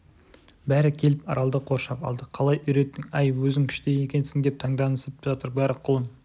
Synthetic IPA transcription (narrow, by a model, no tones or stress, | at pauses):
bæɾɪkʲʰe̞lɪpɑ̰ɾʔɑlˠd̪əqʰo̞ɾʃɑpɑ̰lˠd̪əqʰɑlˠɑjʏjɾe̞t̪ːɪŋɑjwɵzɪŋkʲʰʏ̥ʃt̪eje̞kʲe̞nsɪŋd̪e̞p̚t̪ʰɑɴd̪ɑnəsəpʒ̥ɑt̪əɾbæɾɪqʰʊlˠəm